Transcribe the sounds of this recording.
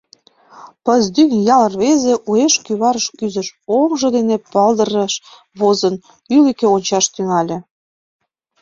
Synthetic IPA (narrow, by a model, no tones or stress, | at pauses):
pəzd̪yŋjɑlərβezeʔueʃkyβɑɾəʃkyzə̆ʃomʒɤ̆d̪enepɑld̪əɾəʃ | βozən | ylikeonʲt͡ɕɑʃt̪yŋɑlʲĕ